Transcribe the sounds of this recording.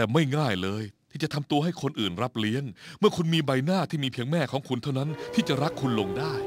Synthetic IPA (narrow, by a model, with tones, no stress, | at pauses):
ɛː˨˩ma˥˩jŋaː˥˩jlɤː˧jt̪ʰiː˥˩t͡ɕa˨˩t̪ʰmt̪u˧əhɦa˥˩jkʰo˧nʔɯː˨˩nɾa˦˥p̚li˦˥əŋmɯ˥˩kʰu˧nmiː˧ba˧jnaː˥˩t̪ʰiː˥˩miː˧pʰi˦əŋmɛː˥˩kʰɔː˩˦ŋkʰu˧nt̪ʰa˥˩wna˦˥nt̪ʰiː˥˩t͡ɕa˨˩ɾa˦˥kʰːu˧nlo˧ŋdaː˥˩j